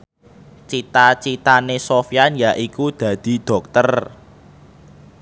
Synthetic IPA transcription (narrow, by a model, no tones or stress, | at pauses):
t͡ʃit̪at͡ʃit̪anesofjanjaʔikud̪̥ä̤d̪̥i̤d̪̥ɔ̤k̚t̪ər